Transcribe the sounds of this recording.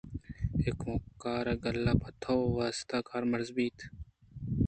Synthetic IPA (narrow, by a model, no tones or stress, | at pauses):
ekmokːaːɾɐɡɐlːaːpɐt̪ʰoʋaːst̪aːkaːɾmɐɾzbiːt̪ʰ